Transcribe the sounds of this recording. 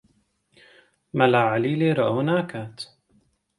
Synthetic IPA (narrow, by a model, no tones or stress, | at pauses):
malaʕaliːliːɾɑʔhʊnaːkat̪